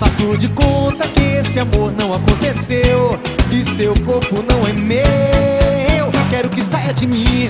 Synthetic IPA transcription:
fasod͡ʒɪkõt̪ɐkɪesɪamoɾnɐ̃w̃akõnt̪esew | ɪsewkoɾpʊnɐ̃w̃ɛme | wkɛɾʊkɪsajɐd͡ʒɪmĩ

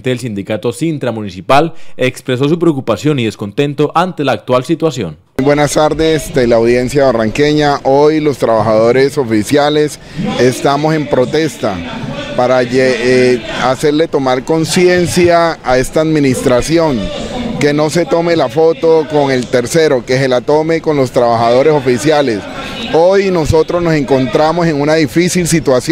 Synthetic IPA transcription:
t̪eːls̬ind̪ikat̪o̞sint̪ɾamũnisipalekspɾes̬o̞supɾeokupasjo̞niðe̞sko̞nt̪e̞nt̪o̞ʔant̪e̞laːk̚t̪walsit̪wasjo̰n | bwe̞nast̪aɾd̪est̪elaːwðje̞nsjaβaraŋke̞ɲaʔojlo̞st̪ɾaβaxaðo̞ɾe̞so̞fisjale̞s | est̪amo̞se̞mpɾo̞t̪e̞st̪apaɾae | ase̞ɾle̞t̪o̞maɾko̞nsje̞nsjaːe̞st̪aːðminist̪ɾasjo̞ŋke̞no̞se̞t̪o̞me̞lafo̞t̪o̞ko̞ŋe̞lt̪e̞ɾse̞ɾo̞keselat̪o̞me̞ko̞nlo̞st̪ɾaβaxaðo̞ɾe̞so̞fisjale̞s | o̞jno̞so̞t̪ɾoznose̞ŋko̞nt̪ɾamo̞se̞ŋunaðifisilsit̪was

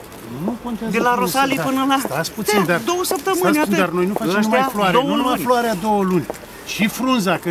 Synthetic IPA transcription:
nukont̪ad̪elaɾosalipɨnəlaasput̪sind̪ad̪o̞wəsəp̚t̪əmɨnʲaɨd̪arnojnufaaʃt̪floaɾdowəlunʲfloaɾead̪owəlunʲ | ʃifɾunzakə

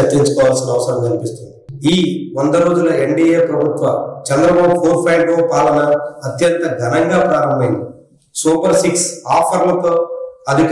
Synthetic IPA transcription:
ɐt̪ːiɲt͡ʃu̥kɔːʋaːlsinɐʋɐsɐɾɐmkɐnipist̪und̪iiiːʋond̪ɐɾo̞ːd͡ʒulɐeɳɖiːeːpɾɐbʱut̪ʋɐt͡ʃɛnd̪ɾɐbaːbupʰoːɾpʰɐjɖoːpaːlɐnɐːt̪jɐnt̪ɐɡʱɐnɐŋɡaːpɾaːɾɐmbɐjnd̪i | suːpɐɾsiksaːpʰɐɾlɐt̪oːɐd̪ʱik

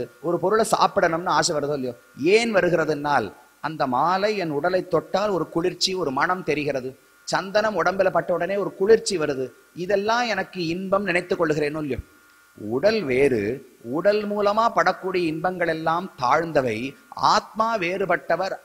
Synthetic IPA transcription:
ɯɔɾɯpɔɾɯɭɐsa̰ːpɪɽɐnɯmnɯaːsɐʋɐɾɯðɯɐljoː | eːnʋɐɾɯɣɪɾɐðɯnːaːl | ɐnd̪ɐmaːlɐɪɛnʊɽɐlɐɪt̪ːɔʈːaːlɔɾɯkʊɭɪɾt͡ʃːiɔɾɯmɐɳɐmt̪ɛɾɪɣɪrɐðɯ | t͡ʃɐnd̪ɐnɐmɔɽɐmbɪlɐpːɐʈːɐʋɯɽɐneːɔɾɯkʊɭɪɾt͡ʃːiʋɐɾɯðɯ | ɪðɛlːãːmɛnɐkːɯɪnbɐmnɪnɐɪt̪ːɯkːɔɭːɯɣɪɾeːnɯlɪjo̰ | ʊɽɐlʋeːɾɯ̰ | ʊɽɐlmuːlɐmaːpɐɽɐkːuːɽɪjɐɪnbɐŋɡɐɭɛlːaːmt̪a̰ːɻnd̪ɐʋɐɪa̰ːt̪̚maːʋeːrɯpɐʈːɐʋɐɾ

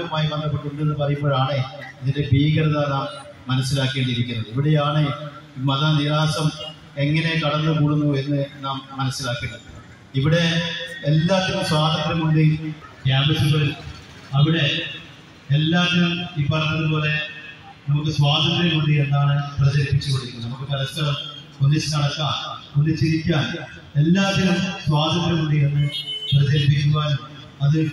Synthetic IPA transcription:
ɾumaːjibɐnd̪ɐp̬ːeʈːuɳɖenːɨpɐrɐjumpːboːɭaːɳeɐðindebiːɣɐɽɐðanaːmː | ɐnɐsːilaːkːeːɳɖiɾikʲːunːɐðɨiʋiɽejaːɳeimɐðɐniraːsɐm | eŋːɐne̞kɐɽɐnːɨkuːɽunːue̞nːɨnaːmːɐnɐsːilaːkːunːɐðɨ | iʋiɽe̞ːlːaːt̪ːiɾumswaːd̪ʱɐt̪rɐmuɳɖikjaːmit͡ɕːupːoɻu | ɐʋiɽe̞ | elːaːt̪ːinumipːɐrɐnːɐðɨpo̞ːle̞ | nɐmukːɨswaːd̪ʱɐt̪ɾjɐmuɳɖijenːaːɳɨprɐd͡ʑɐɾipːit͡ɕːupɐɽikːnːɐnɐmukːɨkɐlɐskɐɾɐm | ondit͡ɕːɨnɐɽɐkːaːnondɨt͡ɕːiɾikʲːaːn | elːaːt̪ːinumswaːd̪ʱɐt̪ɾɐmuɳɖienːɨprɐd͡ʑɐɾipːikʲːuʋaːlum | ɐðɨ

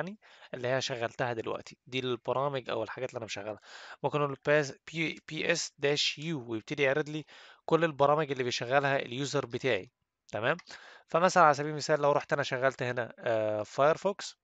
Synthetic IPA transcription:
ʕniʔelːihejːæʃæɣːælt̪æhæd̪elwæ̰ʔt̪ʰi̥d̪iːlb̥ɑɾˤɑːmeɡʔæ̰welħaɡæːt̪liʔænæbeʃæɣːælhæmomken | piːʔesd̪æːʃjuːwejeb̚t̪ed̪ijeʕɾed̪liːkolːelbɑɾˤɑːmeɡʔelːibejʃæɣːælhæʔḛljuːzɑɾˤbet̪aːʕḭ | t̪æmæːmfæmæsælænʕalæs̬æbiːmesæːlːæwɾˤuːħt̪ʔænæʃæɣːælt̪henæfɑjeɾˤfoks

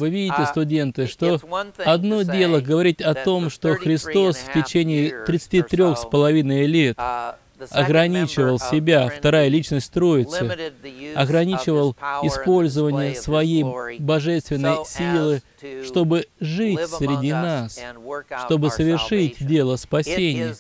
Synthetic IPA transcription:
vɨvʲidʲɪtʲɪst̪ʊdʲe̞nt̪ɨʂt̪o̞ɐd̪nodʲe̞lˠəɡəvɐɾʲitʲɐt̪o̞mʂt̪o̞xɾʲɪst̪o̞sftʲɪt͡ɕenʲɪɪt̪ɾʲɪt̪sɨ̥tʲit̪ɾʲo̞xspəlˠɐvʲinəjlʲe̞t̪ | ɐɡɾɐnʲit͡ɕɪvəlˠsʲɪbʲaft̪ɐɾajəlʲit͡ɕnəsʲtʲt̪ɾo̞jɪt̪sɨɐɡɾɐnʲit͡ɕɪvəlˠɪspo̞lʲzəvənʲɪjəsvɐjejbɐʐɛst̪vʲɪnːəjsʲilˠɨ | ʂt̪o̞bɨʐɨtʲssɾʲɪdʲinasʂt̪o̞bɨsəvʲɪrʂɨtʲdʲe̞lˠəspɐsʲenʲɪjə

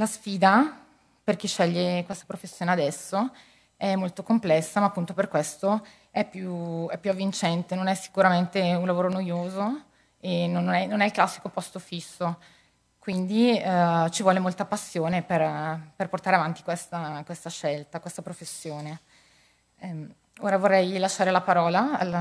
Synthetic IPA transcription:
lasfiːd̪a | perk̟iʃːɛʎːekwest̪ḁpɾofesːjoːnead̪ɛsːo | ɛmːolt̪okomplɛsːamaːpːunt̪operkwest̪o | ɛpːjuɛpːjuavːint͡ʃɛnt̪enonɛsːi̥kuɾament̪eunlavoːɾonojoːzo | enonnɛnonɛilklasːi̥kopɔst̪ofisːo | kwind̪it͡ʃivwɔːlemolt̪apasːjoːneperperport̪aɾeavant̪ikwest̪akwest̪aʃɛlt̪akwest̪apɾofesːjoːne | oːɾavorːɛjlaʃːaːɾelapaɾɔːlaal

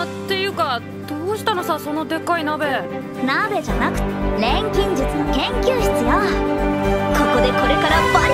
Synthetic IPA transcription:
t̪ːe̞jɯ̟ːka | d̪̥oːɕi̥t̪ano̞saso̞no̞d̪e̞kainabe̞ | nabe̞d͡ʑanakɯ̟̥t̪eɾẽ̞ŋkʲĩɲ̟d͡ʑɨt͡sɨnokẽ̞ŋkʲɨːɕi̥t͡sɨɡa | koko̞d̪e̞ko̞ɾe̞kaɾaba

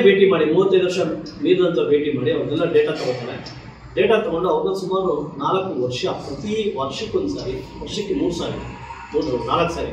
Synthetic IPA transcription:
bʱeːʈimaːɽimuːʋɐt̪ːed̪ʋɐɾʂɐn | miːɾd̪ɐnt̪ɐbʱeːʈimaːɽiɐʋɐɾnɛlːɐɖeːʈat̪ɐɡot̪ːɐːɽe | ɖeːʈat̪ɐɡoɳɖuɐʋɐɾɡ̪ɐsumaːɾunaːlɐkːuʋɐɾʂɐpɾɐt̪iʋɐɾʂɐkːond̪saːɾiʋɐɾʂɐkːemuːɾusaːɾi | ond̪unaːlɐkːsaːɾḭ

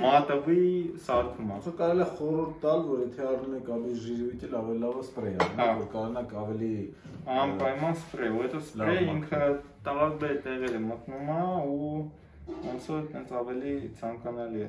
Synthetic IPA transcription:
mɑt̪əvisɑɾt̪ʰumɑsɔɾkɑɾɛliɑχɔɾuɾt̪ːɑlvɔɾjɛt̪ʰɛɑrnumɛkɑliʒiɾujt̪ɛlɑvɛlilɑvəspɾɛjɑnɑvɔɾkɑɾɔnɑkɑvɛli | ɑmpɑjmɑnspɾɛuɦɛt̪ɔslɾɛjiŋkʰət̪ɑɾɑlbɛɾt̪ɛʁɛɾəmət̪numɑu | ɔnt͡sʰɔt̪ʰɛnt͡sʰɑvɛlit͡sʰɑŋkɑnɑliɛ

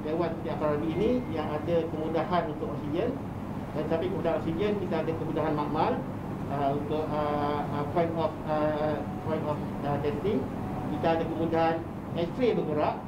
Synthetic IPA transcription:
dewat̪̚ət̪iapaɾabiːnĩjaŋadakəmudaɦanunt̪ʊk̚ɔksid͡ʒən | dãnt̪ət̪apikəmudaɦanɔksid͡ʒənkit̪aːdakəmudaɦanmaʔmal | əunt̪ʊk̚əpɔjnɔfə | pɔjnɔf | ədɛnt̪iŋ | kit̪aadakəmũdaɦan | ɛst̪ɾiabəɡəɾaʔ

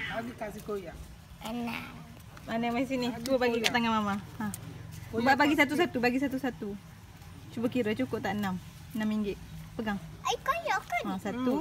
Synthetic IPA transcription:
aɡikasikoja | əna̰ | manamaisinid̪uəpaɡik̪aʔt̪aŋamamaaəbaʔbaɡisat̪̬usat̪ubaɡis̬at̪usat̪u | t͡ʃubəkiɾət͡ʃukʊt̪aʔənam | ənamːiŋɡɪʔpəɡaŋ | aikojɔkaasat̪u

